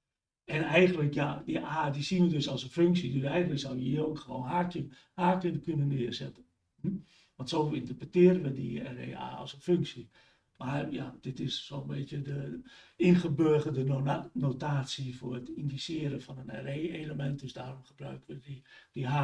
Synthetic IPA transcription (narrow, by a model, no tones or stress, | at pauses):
ɛnɛjɣən̩dləkjadiʔaːdisinʋədøsɔlˠsənføŋksidøsɛjɣəndləksawjəjoxəʋoːnɦatə | haːkənəkynənːɪərsɛtən | m̩ | ʋɔntsoːlˠĩntərprətɪəɾənʋədiɛ̰rḛːa̰ːɔ̰sənføŋksi | marja̰d̥ɪtɪsːoːənbɪtjədəɪnχəbøəɣədənonɛtnotaːsiforətindisɪəɾəfɔnənɛ̰reːeːləmɛnt̚døsdaːromxəbrœ̰ɥkəʋədidiɦa